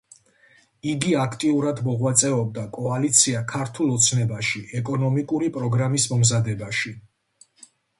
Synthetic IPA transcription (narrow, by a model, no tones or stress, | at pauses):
iɡiakʰt̪ʼiuɾad̪mɔʁwat̪sʼɛɔb̚d̪akʼɔalit̪sʰiakʰaɾt̪ʰulˠɔt̪sʰnɛbaʃiʔɛkʼɔnɔmikʼuɾipʼɾɔɡɾamismɔmzad̪ɛbaʃi